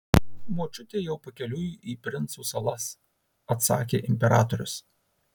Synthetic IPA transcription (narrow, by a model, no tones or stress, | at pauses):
muːt͡ʃʲʊt̪ʲeːjɛʊpɐkʲɛlʲʊjuʔiːpʲɾʲɪnt̪suːsɐlˠɐs | ɐt̪sɑ̰ːkʲḛːʔɪmʲpʲɛɾɑːt̪ɔɾʲʊ̰s